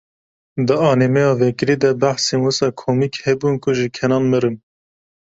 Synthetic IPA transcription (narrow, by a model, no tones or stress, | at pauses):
d̪ɨɑːnemɛjɑːvɛkɨɾiːd̪ɛbæħsenwɨsɑːkʰomiːkhɛbuːnkʰʊʒikʰɛnɑːnmɨɾɨn